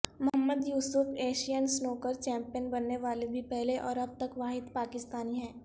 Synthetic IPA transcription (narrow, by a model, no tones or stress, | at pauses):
mɐɦəmːəd̪juːsʊfʰeːʃijənsnoːkəɾt͡ʃɛ̃ːmpijənbɐnːeʋaːlebʱipɛɦleʔɔ̰ːɾɐb̚t̪ɐkʋaːɦɪd̪paːkɪst̪aːniɦɛ̃ː